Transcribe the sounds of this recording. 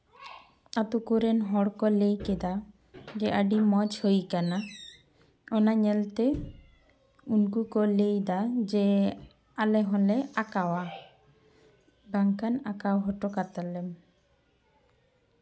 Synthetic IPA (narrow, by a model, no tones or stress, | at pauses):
at̪ukuɾɛnɦɔɽkɔlejked̪a | d͡ʒɛʔaɖimɔd͡ʒhojkana | ɔnaɲɛlt̪e | unkukɔlejd̪ad͡ʒe | alɛɦɔlɛakawa | baŋkanakawɦɔʈɔkat̪alɛm